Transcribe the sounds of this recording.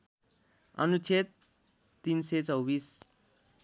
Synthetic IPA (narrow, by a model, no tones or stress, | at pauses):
ʌ̰nut͡sʰet̪̚ː | inset͡sʌwbis